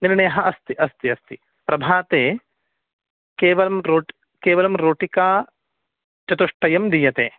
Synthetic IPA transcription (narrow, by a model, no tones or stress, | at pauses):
niɾɳeːɐɦɐʔɐst̪iʔɐst̪iɐst̪i | pɾɐbʱaːt̪eː | keːʋɐlɐmɾoːʈi | keːʋɐlɐmɾoːʈikaː | t͡ʃɐt̪uʂʈɐjɐmd̪ijɐt̪eː